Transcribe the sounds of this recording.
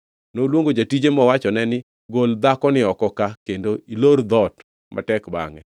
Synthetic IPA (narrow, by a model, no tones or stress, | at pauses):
nolwoŋɡod͡ʒatid͡ʒemɔwat͡ʃɔnɛnɪ | ɡold̪akɔnɪɔkɔkakendoiloɾd̪ɔt | mʔa̰tɛkba̰ŋɛ